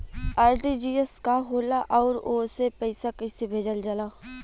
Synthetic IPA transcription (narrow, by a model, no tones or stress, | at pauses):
aːɾʈid͡ʒiːeskaɦoːlaʔɔːɾoːsepəɪsakɐɪsebʱeːd͡ʒəld͡ʒɐlaː